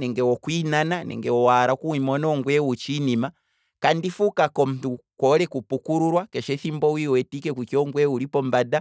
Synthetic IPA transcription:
nɛŋɡɛwɔkwinananɛ̰ŋɡɛwɔwaɾakuwimɔnɔŋɡwɛwut͡ʃinima | kandifukakɔm̩tukɔɾɛkupukuɾuɾwakɛʃɛθimbɔwiwɛtikɛkukiɔŋɡwɛuɾipɔmbada

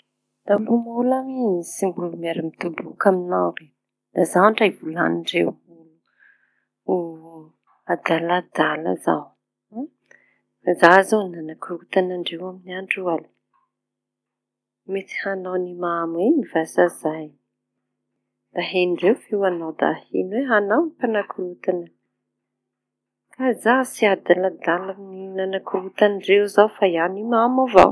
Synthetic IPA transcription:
d̪amumulaminisimbulumaɾimit̪ubukaminawren | d̪azawaɳʈ͡ʂajvula̰niɳɖ͡ʐewu | u | ad̪alad̪ala̰za̰w | fazazananakɾuut̪anaɳɖ͡ʐewaminiaɳɖ͡ʐual | met̪i̥hanawnimamwenivasazaj | d̪̥aɦenɳɖ͡ʐewfewanawd̪a̰hḛnweɦanawnipanakuɾut̪anə | kazasiad̪alad̪alamininanakuɾut̪anɖ͡ʐewzawfajanimamava̰w

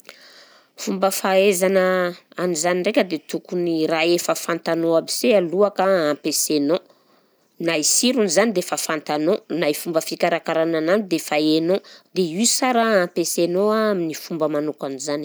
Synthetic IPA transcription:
fumbəfaezanəanizaninrekʲəd̪et̪ukuniraefəfant̪anoabisealuakaampeseno | naisiɾunzanid̪efafant̪anonajfumbəfikʲaɾakaɾanananid̪efaenod̪eisaɾaãmpesenoaaminifumbəmanukanizani

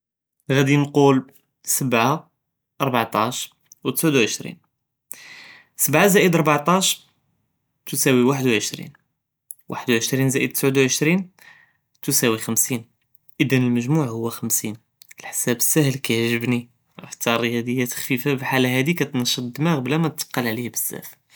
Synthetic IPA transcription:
ɣæd̪inqul | səbʕa | ʔɑɾˤbɑʕt̪ˤɑʃ | wt̪ə̥sʕʊd̪wʕəʃɾḭn | səbʕazæʔəd̪ɑɾˤbɑʕt̪ˤɑʃ | t̪usæwiwaħəd̪wʕəʃɾḭn | wʔa̰ħəd̪wʕəʃɾinzæʔəd̪̚t̪ə̥sʕəd̪wʕəʃɾin | t̪usæwixəmsin | ʔəd̪ənəlməʒmuʕhʊwːæxəmsin | əlħsæbəsːæhəlkæʕʒəbni | ħt̪ːæɾˤəjæd̪əjːæt̪xfifabəħalɦæd̪ikæt̪nʃɑd̪ːmæqblæmænt̪ːqːɑlʕlihbəsːæ̰f

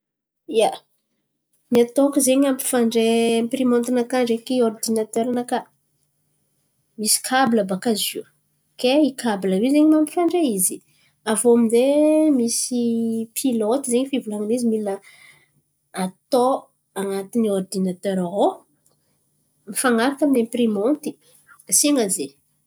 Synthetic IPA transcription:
ia | niat̪okəzeɲampi̥faɳɖ͡ʐemprimont̪inakaɳɖ͡ʐekiord̪inat̪øɾanaka | misi̥kʰabiləbakaziw | keikʰabləwizeɲimampi̥faɳɖ͡ʐeizi | avoamizemisipʰilot̪izeɲifivulaŋinizimilə | at̪o | aŋat̪iniord̪inat̪øɾao | mifaŋaɾakaminemprimont̪i̥ | siŋaze

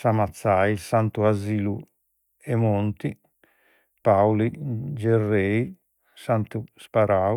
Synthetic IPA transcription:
samat̪sːajsant̪uaziːlu | ɛmont̪i | pawlid͡ʒɛrːɛi | sant̪uspaɾa

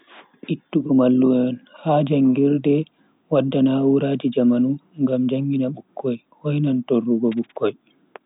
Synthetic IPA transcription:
ʔitːuɡɔmalːuɛnhaːd͡ʒaŋɡiɾdɛ | wadːanawuɾaːd͡ʒid͡ʒamanuŋɡamd͡ʒaŋɡinaɓukʰːɔj | hɔjnantɔrːuɡɔɓukːɔj

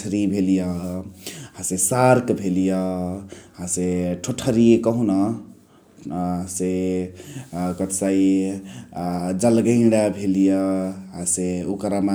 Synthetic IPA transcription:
ɾibʱelijʌ | hãsesaɾkbʱelijʌ | hãseʈʰoʈʰəɾijekəɦũnʌ | ãse | kət̪sai | d͡ʒəlɡəɪ̃ɽabʱelijʌɦãseukɾama

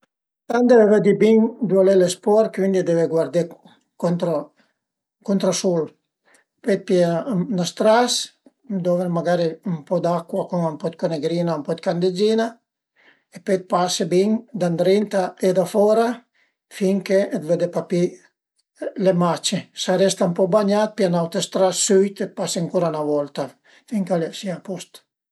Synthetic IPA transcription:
t̪and̪eveved̪ibiŋd̪walelespɔɾkwind̪id̪eveɡwaɾd̪e | kont̪ɾo | kunt̪ɾasul | pet̪̚pjenast̪ɾas | d̪ɔveɾmaɡaɾimpɔd̪akːwakuŋampɔt̪̚koneɡɾiːnaumpɔt̪kand̪ed͡ʒina | epet̪̚pasebiŋd̪and̪ɾint̪aed̪afɔɾa | fiŋkeːt̪ved̪epapi | lemat͡ʃesaɾɛst̪ampɔbaɲat̪̚pjanawt̪est̪ɾasːyjt̪et̪̚paseaŋkuɾanavɔlt̪a | fiŋkalesiapɔst̪

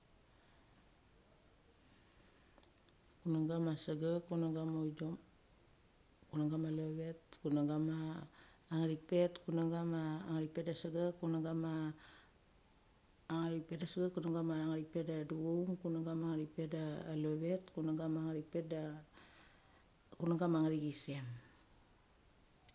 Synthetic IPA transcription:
kunaɡamasaɡakunaɡamojdom | kunaŋɡamaloβetkunaɡamaː | ŋaɾipetkunaɡamaːŋaɾipetdasaɡakunaɡama | ŋaɾipetasaɡakunaŋɡamaaŋaɾipetdaduowŋkunaɡamaŋaɾipedaːloβetkunaɡamaŋaɾipet̚da | kunaɡamaŋaɾiɡisem

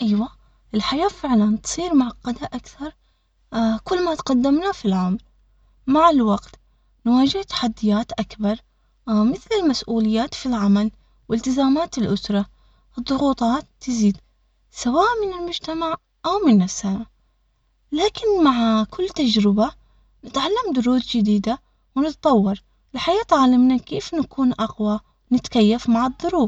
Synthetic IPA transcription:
ʔɪjwa | ʔɪlħajaːfɪʕlant̪sˤiːɾmaʕɑqːɑd̪aʔakθɑɾˤ | kʊlːmat̪qad̪ːɪmnafilʕamal | maʕɪlwɑɡt̪ | nwaːd͡ʒɪht̪ḁħad̪ːɪjaːt̪ʔakbɑɾˤ | mɪθlɪlmasʔuːlɪjːaːt̪filʕamal | wɪlt̪ɪzaːmaːt̪ɪlʔʊsɾˤɑ | ɨðˤːʊɣuːt̪ˤɑːt̪ːɪziːd̪ | sawaːʔmɪnɪlmʊd͡ʒt̪amaʕ | ʔawmɪnːasaʕ | laːkɪnmaʕkʰʊlːt̪ad͡ʒɾɪba | nɪt̪ʕalːamd̪ʊɾuːd̪d͡ʒɪd̪iːd̪a | wnɪt̪t̪ˤɑwːɑɾˤ | lɪħajaːt̪ʕalɪmnakeːfnakʰuːnʔɑqwa | nɪt̪kajːafmaʕɨðˤːʊɾuːb

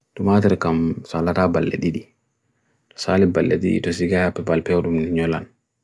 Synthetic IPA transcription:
tumaːtɛɾkamsalataːbalːḛɗiɗi | tɔ̥saːlibalːḛɗiɗḭtɔsiɡahapːɛbalpɛwɗumniɲɔla̰n

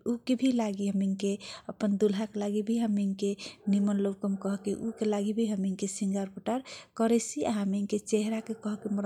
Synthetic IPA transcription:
ukebʱilaɡiɦəmiŋkeəpːənd̪ulɦakelaɡibʱiɦəmiŋkenimənlob̚kəmkəɦkeʔukelaɡibʱiɦəmiŋkesiŋɡaɾkuʈaɾkəɾesiʔaɦəmiŋket͡ʃeɦɾakekəɦkiməɾ

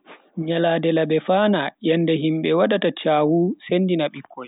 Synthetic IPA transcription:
ɲaladɛlaɓɛfaːnajɛndɛɦimɓɛwaɗatat͡ʃaːwusenːdinaɓikʰːɔj

